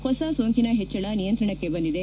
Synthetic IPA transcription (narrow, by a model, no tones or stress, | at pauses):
hɔsɐsoːŋkinɐɦet͡ʃːɐɭɐnijɐnt̪ɾɐɳɐkːe̞bɐnd̪id̪e